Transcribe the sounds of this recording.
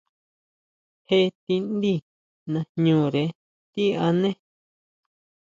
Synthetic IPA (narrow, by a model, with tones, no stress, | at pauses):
he˧˦t̪i˧nd̪i˦ | nã˧ɲũː˨˧˨ɾe˧ | t̪i˦a˧nẽ˦